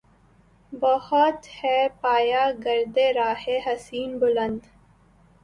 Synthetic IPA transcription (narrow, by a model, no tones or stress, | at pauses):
bɐhɔt̪hɛːpaːjaːɡɐɾd̪eɾaːheɦɐsiːnbʊlə̃nd̪